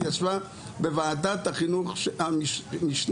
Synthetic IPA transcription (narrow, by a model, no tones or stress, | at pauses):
jat͡sva | bevaːd̪at̪haχinuχʃamiʃn